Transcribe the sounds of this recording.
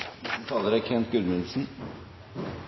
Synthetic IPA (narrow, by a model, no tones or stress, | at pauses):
t̪ʰɑːləɾækʰɛnt̪̚ɡʉɾmɪnsn̩